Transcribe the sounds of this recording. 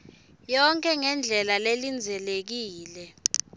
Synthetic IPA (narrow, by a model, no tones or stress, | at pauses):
jɔŋkʼʰɛŋɛnd͡ɮʱɛlalelind͡zʱɛlek̬iːlɛ